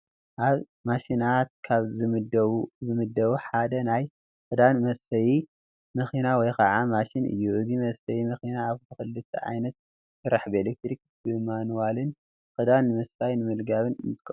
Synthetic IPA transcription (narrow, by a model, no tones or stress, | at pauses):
ʔaβ | maʃinat̪̚kʰaβzɨ | zɨmɨd̪ːɐβuħad̪ɐnaj | kɨd̪anɨmɐsfɐji | mɨxinawɔjkʰɐʕamaʃinʔɨ̰jːuʔɨzimɐsfɐjimɨxinaːβt̪ʰɨxɨlːɨt̪ʰːɐ̰ʕa̰jnɐt̪̚ | sɨɾaħbelek̚t̪ɾik̚ | bɨmanwalɨn | kʼɨd̪anːɨmɐsfajnɨmɨlɡaβɨnɨnt̪ɨ̥kʼːɐ